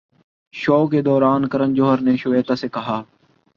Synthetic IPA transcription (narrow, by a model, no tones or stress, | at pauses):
ʃoːkeːd̪ɔːɾaːnkəɾənd͡ʒoːɦəɾneːʃʊʋeːt̪aːseːkəɦaː